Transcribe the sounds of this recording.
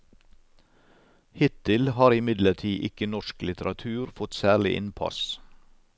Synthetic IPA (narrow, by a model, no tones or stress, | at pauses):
hɪt̪ɪlhɑːɾɪmɪd̪ləʈʰiːʔɪkənɔʃklɪt̪əɾɑt̪ʰʉːɾfɔt̪sæːɭɪʔɪ̰npʰɑ̰s